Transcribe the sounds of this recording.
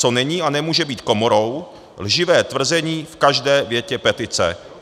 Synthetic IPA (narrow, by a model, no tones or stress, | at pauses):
t͡so̞nɛɲiːanɛmuːʒɛbiːt̪ko̞moɾo̞w | lʒɪvɛːt̪vr̩zɛɲiːfkaʒdɛːvjɛcɛpɛt̪ɪt͡sɛ̰